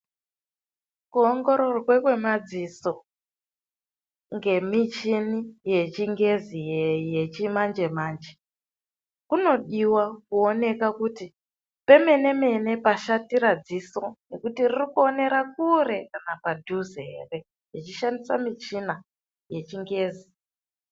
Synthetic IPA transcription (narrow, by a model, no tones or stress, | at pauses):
kuoŋɡo̞ɾorwekwe̞mad͡ziso̞ | ŋɡe̞mit͡ʃinije̞t͡ʃiŋɡe̞zijejet͡ʃimand͡ʒe̞maːnd͡ʒe | kuno̞ɗiwakuo̞ne̞kakuti | pe̞me̞ne̞me̞ne̞paʃatiɾad͡zisone̞kutiririkuo̞ne̞ɾak̚uɾe̞kanapadʱuzeere̞ | jit͡ʃiʃandisamit͡ʃina | je̞t͡ʃiŋɡe̞ːzi